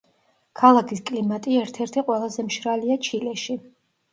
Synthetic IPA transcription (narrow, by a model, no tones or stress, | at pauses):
kʰalˠakʰiskʼlimat̪ʼiɛɾt̪ʰɛɾt̪ʰiqʼwɛlˠazɛmʃɾaliat͡ʃʰilɛʃi